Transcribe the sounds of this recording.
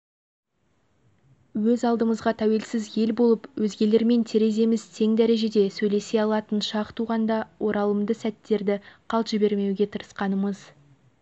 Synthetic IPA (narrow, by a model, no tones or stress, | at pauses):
wɵzɑlˠd̪əməzʁɑt̪ʰæwe̞lsɪzje̞lbo̞lˠəpwɵzɡʲe̞le̞ɾme̞nt̪ʰe̞ɾe̞ze̞mɪzt̪ʰe̞ŋd̪æɾe̞ʒe̞d̪e̞sɵjle̞se̞jɑlˠɑt̪ənʃɑqt̪ʰuʁɑnd̪ɑwʔo̞ɾɑlˠəmd̪əsæt̪ːe̞ɾd̪ɪqʰɑlˠt̪ʒ̥ɪbe̞ɾme̞wɡʲe̞t̪ʰəɾə̥sqɑnəməz̥